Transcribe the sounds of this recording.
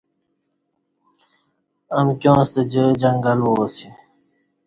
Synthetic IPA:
ɐmkʲjõːst̪ed͡ʑod͡ʑɐŋɡɐlwoːsi

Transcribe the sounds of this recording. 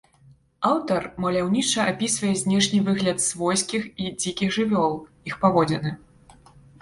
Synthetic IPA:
awt̪ɐrmɐlʲawnʲit͡ʂɐʔapʲisvɐjɛzʲnʲɛʂnʲivɨɣlʲɐt̪svɔjskʲixid͡zʲikʲiɣʐɨvʲɔlˠ | ixpavɔd͡zʲɛnɨ

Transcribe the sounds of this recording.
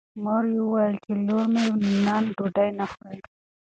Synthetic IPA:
moɾjewəwajəlt͡ʃeloɾmewninɑnɖoɖajnaxa

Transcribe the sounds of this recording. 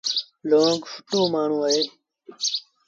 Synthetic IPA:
loːŋɡfəʈoːmaːɳ̤ũːaːɦeː

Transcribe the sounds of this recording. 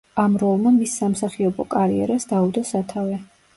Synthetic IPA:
amɾɔlˠmamisːamsaχiɔbɔkʼaɾḭɛ̰ɾasd̪aud̪ɔsat̪ʰavɛ

